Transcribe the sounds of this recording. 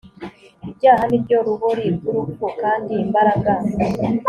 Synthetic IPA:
ibɟaːɦanibɟoɾuɦoɾiɡuɾukokaːndiːmbaɾaɡa

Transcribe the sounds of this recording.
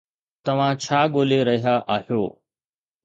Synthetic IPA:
t̪ɐʋ̤ãt͡ɕʰaːɠoːleɾɐɦiaʔaːɦijoː

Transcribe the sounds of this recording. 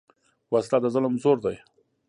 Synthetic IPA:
wasɪ̥t̪ad̪əzʊlmzoɾd̪aj

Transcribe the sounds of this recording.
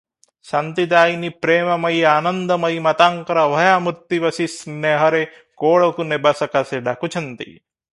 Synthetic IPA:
sɐnt̪id̪aːinipɾeːmɐmɐjaːnɐnd̪ɐmɐjmɐt̪aːŋkɐɾɐʋɐjaːmuɾt̪iʋɐsisneɦɐɾe | koːɭɐkunebɐsɐkaseɖakut͡ʃʰɐnt̪ḭ

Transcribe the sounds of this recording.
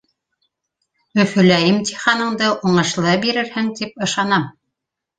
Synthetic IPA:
ɵ̆fɵ̆læjɘmt̪ʲiχɑnɤ̆ɴd̪ɤʔuɴɤ̆ʃlˠɤbiɾɘ̆ɾhɘŋt̪ip̚ɤ̆ʃɑnɑm

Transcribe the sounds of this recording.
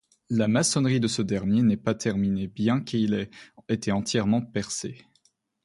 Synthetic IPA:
lamasɔnʁid̪əsəd̪ɛʁmjenɛpat̪ʰɛʁminebjɛ̃kiet̪ɛɑ̃t̪jɛʁmɑ̃pɛʁse

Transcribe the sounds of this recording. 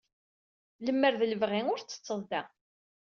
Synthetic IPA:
ləmːəɾðləvʁiŋʊɾt͡sːə̥t͡sːəðˤd̪æ

